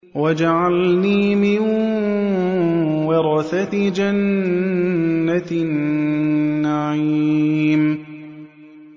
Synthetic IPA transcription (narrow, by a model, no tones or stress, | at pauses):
wad͡ʒaʕalniːmɪn | wɑɾˤɑθatd͡ʒan | anː | aʕi | m